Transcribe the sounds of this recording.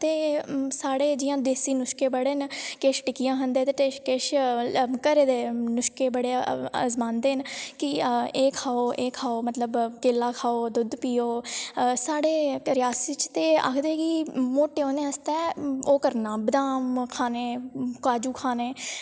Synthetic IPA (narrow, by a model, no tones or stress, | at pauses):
t̪eːsaːɽeːd͡ʒɪjãːd̪eːsiːnʊʃkeːbəɽeːnkeːʃʈɪkɪjãːɦənd̪eːt̪eːʈeːʃkeːʃ | kəɾeːd̪eːnʊʃkeːbəɽeːəzmãːnd̪eːnkɪeːkʰaːoːʔeːkʰaːoːmət̪ləbkeːlaːkʰaːoːd̪ʊd̪piːoːsaːɽeːəɾɪjaːsit͡ʃt̪eːa̰ːkʰd̪eːɡimoːʈeːõːnẽːəst̪ɛːoːkəɾnãːbd̪ãːkʰaːneːkaːd͡ʒuːkʰaːneː